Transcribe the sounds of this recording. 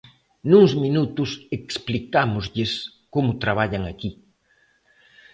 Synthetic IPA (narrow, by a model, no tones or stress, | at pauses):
nuŋzminut̪ʊseksplikamʊzʎɪs | komʊt̪ɾaβ̞aʎaŋaki